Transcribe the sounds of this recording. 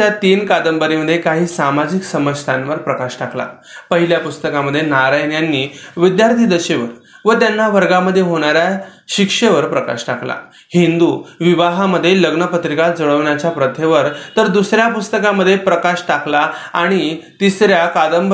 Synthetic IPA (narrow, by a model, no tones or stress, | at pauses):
jat̪iːnkad̪əmbəɾiməd̪ʱjekaɦiːsamad͡ʑiksəməd͡ʑt̪ʰãnʋəɾpɾəkaɕʈakla̰pəɦiljapust̪əkaməd̪ʱːjenaɾajnjanːiːʋid̪jaɾt̪ʰiːd̪əɕeʋəɾ | ʋət̪janːaʋəɾɡaməd̪ʱːjeɦoɽ̃aɾjaɕikʂeʋəɾpɾəka̰ɕʈakla̰ | hind̪uʋiʋaɦaməd̪ʱːjeləɡɳəpət̪ɾikad͡zəɭəʋɳjat͡ɕjapɾət̪ʰjeʋəɾt̪əɾd̪usɾjapust̪əkaməd̪ʱːjepɾəkaɕʈaklaaɽ̃it̪isɾjakad̪əmb